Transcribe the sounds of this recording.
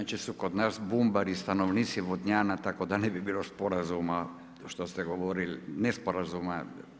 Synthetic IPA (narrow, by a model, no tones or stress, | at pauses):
at͡ʃisukod̪nasbumbaɾist̪anovnit̪siʋod̪ɲanat̪akod̪anɛbibilospoɾazuma | ʃt̪ost̪ɛɡoʋoɾilnɛspoɾazuma